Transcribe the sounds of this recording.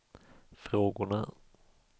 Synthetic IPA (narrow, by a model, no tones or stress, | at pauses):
fɾoːɡʊɳa